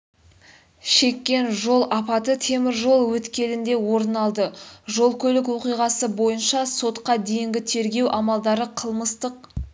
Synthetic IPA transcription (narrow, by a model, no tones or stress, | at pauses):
ʃe̞kʲːe̞nʒo̞lˠɑpɑt̪ət̪ʰe̞mɪɾʒo̞lˠwɵt̪kʲe̞lɪnd̪e̞wo̞ɾnɑlˠd̪əʒo̞lˠkʲʰɵlɪk̬wo̞qijʁɑsəbo̞jənʃɑso̞t̪qɑd̪e̞jɪŋɡʲɪt̪ʰe̞ɾɡʲe̞wʔɑmɑlˠd̪ɑɾəqʰəlˠməst̪əq